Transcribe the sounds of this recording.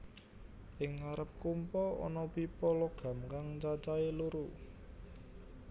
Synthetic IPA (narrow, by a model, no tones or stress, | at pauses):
ʔɪŋːaɾəp̚kumpɔɔ̰nɔpipɔlɔɡ̥a̤mkaŋt͡ʃat͡ʃaeluɾu